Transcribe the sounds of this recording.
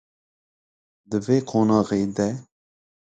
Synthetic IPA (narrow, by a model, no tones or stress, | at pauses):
d̪ɨveːkʰoːnɑːɣeːd̪ɛ